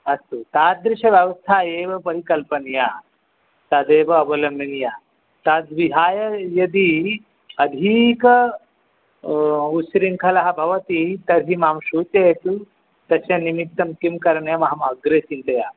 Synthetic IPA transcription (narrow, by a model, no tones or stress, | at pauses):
ɐst̪ut̪aːd̪ɾiɕɐʋjɐʋɐst̪ʰaːjeːʋɐpɐɾikɐlpɐnjaː | t̪ad̪eːʋɐɐbɐlɐmɐnja | t̪ad̪ʋiɦaːjɐjɐd̪i | ɐd̪ʱikɐ | usɾiŋkʰɐlɐɦɐbʱɐʋɐt̪it̪ɐɾɦiːmaːmʃuːt̪et̪u | t̪ɐsjanimit̪ːɐmkimkɐɾɳjamɐɦɐmɐɡɾeːsint̪ɐjaː